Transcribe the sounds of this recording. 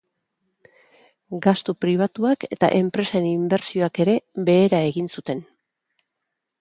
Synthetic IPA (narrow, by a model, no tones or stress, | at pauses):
ɡast̪upɾiβ̞at̪uake̞t̪a̰ʔe̞mpɾe̞saenimbe̞ɾsio̞ake̞ɾe̞βe̞ːɾae̞ɣinsut̪e̞n